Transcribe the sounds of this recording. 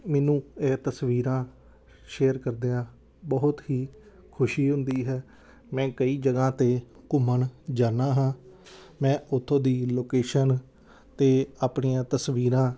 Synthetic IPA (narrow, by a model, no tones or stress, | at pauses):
mɛːnũːeːt̪əsʋiːɾãː | ʃeːəɾkəɾd̪eãː | bəːʊt̪ɦiː | kʰʊʃiːɦʊnd̪iːɦɛː | mɛ̃ːkəiːd͡ʒəɡãːt̪eː | kʊməɳd͡ʒaːnaːɦãː | mɛ̃ːʔʊt̪ʰːõːd̪iːloːkeːʃən | t̪eːaːpɳiːãːt̪əsʋiːɾãː